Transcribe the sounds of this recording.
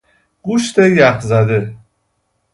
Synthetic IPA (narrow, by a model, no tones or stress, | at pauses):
ɡ̥uʃt̪ejæxzæd̪e